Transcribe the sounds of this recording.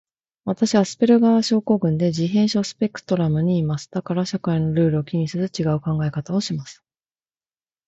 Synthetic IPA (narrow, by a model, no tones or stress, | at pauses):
βat̪aɕiβasɨ̥pe̞ɾɯ̟ɡaβaɕo̞ːko̞ːɡɯ̟̃nd̪e̞ʑiɦẽ̞ɰ̃ɕo̞ːsɨ̥pe̞kɯ̟̥t̪o̞ɾamɯ̟ɲ̟iːmasɨ̥d̪̥akaɾaɕakaino̞ɾɯ̟ːɾɯ̟okʲiɲ̟isɨzɨt͡ɕiɡaɯ̟kãŋɡae̞kat̪ao̞ɕimasɨ̥